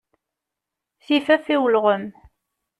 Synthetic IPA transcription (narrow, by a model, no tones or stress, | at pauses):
θifæfiwlʁəm